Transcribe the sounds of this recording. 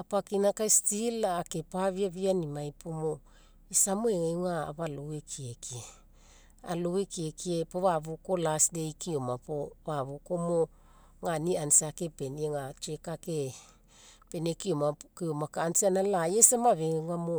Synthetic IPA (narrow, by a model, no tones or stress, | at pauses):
apakinakaestilaːke̞paβiaβianimajpʰomo | esamoeŋeŋa̰ːβalowekʰiekie | a̰lowekiekiepoβaβoko̞lasdejkiomapoβaβokomo | ŋaniansake̞pe̞nieŋat͡ʃekake | pe̞nekiomakiomakaːnsanalajesamaβeŋeamo